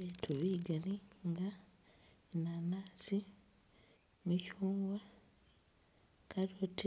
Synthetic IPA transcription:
etʰoβiːɡaniŋɡa | nanasi | micuːŋɡwa | kaɾotʰi

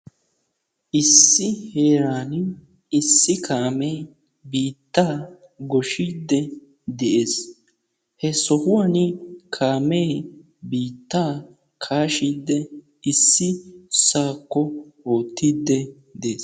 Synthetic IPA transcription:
ʔɪsːɪheːɾaːnɪ | ɪsːɪkʰaːmɛj | biːt̪ːaː | ɡɔʃiːd̪ːɛ | d̪ɛʔe̞ːs | hɛsɔhʊwɐnɪkʰaːmej | biːt̪ːaː | kʰaːʃiːd̪ːɛ | ɪsːɪsaːkːɔoːt̪ʰːiːd̪ːɛ | d̪eːs

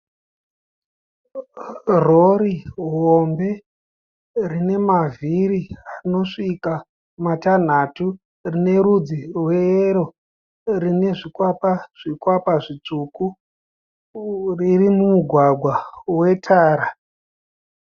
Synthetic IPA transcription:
roɾiɦɦombe̞ | rine̞maviɾiarino̞ʂika | matan̤atu | rine̞ɾud͡zirwe̞eɾo̞ | rine̞ʐikwapaʐ̥ikwapaʐit͡ʂuku | ririmumuɡʱwaɡʱwawe̞tʰaːɾa

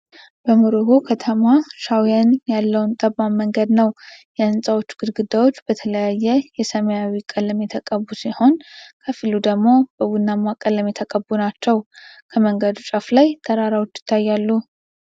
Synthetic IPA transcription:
b̥əmuɾoɡokʰət̪ʰəmaʃawjanjalːəwnt̪ʼəbamːəŋɡəd̪nəwjɛɨnsʼawo̞t͡ʃːɡ̥ɨd̪ɡɨd̪awo̞t͡ʃːbət̪ʰələjajːɛjɛsəməjawikʼələmjɛt̪ʰəkʼəbːusiho̞nkʰəfilud̪əɡmo̞b̥əwunːamakʼələmjɛt̪ʰəkʼəbunat͡ʃːɛwkʰəməŋɡəd̪ut͡ʃʼaflajt̪ʰʼəɾaɾawo̞t͡ʃːjɪ̥t̪ʰːajːalːu

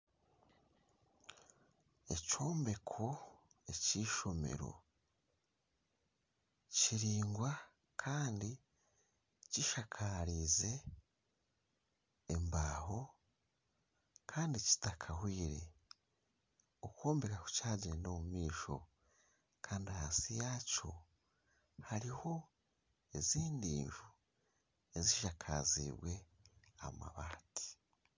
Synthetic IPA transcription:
e̞co̞ːmbe̞kʰo̞e̞ciʃo̞me̞̰ɾo̞̰ | ciɾiːŋɡwa | kʰaːndi | ciʃakʰaɾize̞ | mbaːɦo̞ | kʰaːndici̥takʰahwiːɾe̞̰ | okoːmbekaku̥caːɟiɾeno̞mumiːʃo̞̰ | kʰaːndiahasijaːco̞ | haɾiho̞ | eziːndḭːɱvu | eziʃakʰa̰zḭβwe̞a̰ma̰βaːti̥

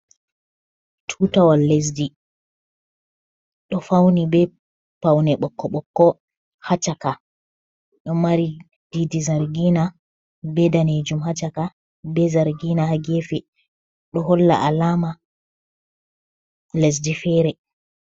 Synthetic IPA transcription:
tʰuːtawalːes̬di | ɗɔfawnibɛ | pawnɛɓɔkːɔɓɔkːɔ | hat͡ʃaka | ɗɔmaɾi | didizaɾɡina | bɛdaned͡ʒumhat͡ʃaka | bɛzaɾɡinahaɡefɛ | ɗɔɦɔlːa̰ʔalaːma | les̬difɛːɾɛ

